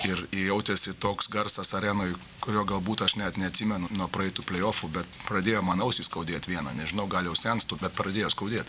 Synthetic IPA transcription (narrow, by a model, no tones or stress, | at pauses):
ɪrɪjɛʊt̪ʲesɪt̪oːksɡɐrsɐsɐɾʲæːnoːj | kʊɾʲoːɡɐlˠbuːt̪ɐʃnʲɛt̪nʲɛɐt̪ʲsʲiːmʲɛnʊnuɔpɾɐɛɪt̪uːpʲlʲɛjoːfʊbʲɛt̪pɾɐd̪ʲeːjoːmɑːnɐʊsʲiːskɐʊd̪ʲeːt̪ʲʋʲiɛnɐ̰nʲɛʒʲɪnɐʊɡɑːlʲjɛʊsʲɛnst̪uːbʲɛt̪pɾɐd̪ʲeːjoːskɐʊd̪ʲeːt̪ʲ